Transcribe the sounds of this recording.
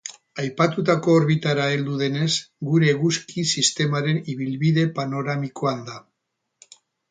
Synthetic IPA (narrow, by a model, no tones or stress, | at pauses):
ajpat̪ut̪ako̞ːɾβit̪aɾae̞ld̪uðe̞ne̞sɡuɾe̞ɣuskisist̪e̞maɾe̞niβilβið̞e̞pano̞ɾamiko̞and̪a